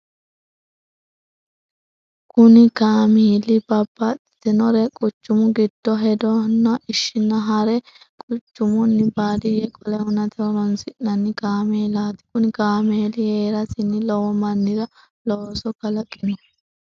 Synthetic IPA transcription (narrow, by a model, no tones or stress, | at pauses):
kʊnɪkaːmeːlɪbɐbːɐt̪ʼ | t̪ɛnɔɾɛkʼʊt͡ʃːʊmʊɡɪd̪̥ːɔɦɛd̪ɔnːɐʔɪʃːɪnːɐɦɐɾɛ | kʼʊt͡ʃːʊmʊnːɪbaːd̪ɪjɛkʼɔlɛhʊnɐt̪ɛwɔnɔnsɪʔnɐnːɪkaːmeːlaːt̪ɪ̥kʊnɪkaːmeːlɪheːɾɐsɪnːɪlɔwɔmɐnːɪdɐ | lɔsɔkɐlɐkʼːɪnɔ